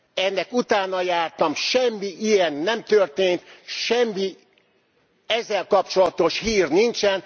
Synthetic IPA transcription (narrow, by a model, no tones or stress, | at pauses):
ɛnːɛkut̪aːnɒjaːrt̪ɒmʃɛmːiʔijɛnːɛmt̪ørt̪eːnt̪ʃɛmːi | ɛzːɛlkɒp̚t͡ʃo̞lɒt̪o̞ʃhiːrnint͡ʃɛn